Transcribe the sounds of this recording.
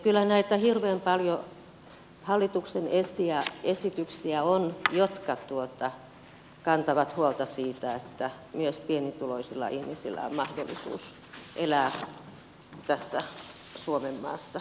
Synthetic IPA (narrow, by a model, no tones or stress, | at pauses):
kylːænæit̪æhirʋeːmpɑljo | hɑlːit̪uksenesiæesit̪yksiæonjot̪kɑt̪uot̪ɑ | kɑnt̪ɑʋɑt̪huolt̪ɑsiːt̪æet̪ːæmyøspienit̪uloisilːɑ̰ʔihmisḭlːæ̰o̰mmɑhdo̰lːḭsṵːs | ʔelæː | t̪æsːæ | suomemːɑ̰ːsːɑ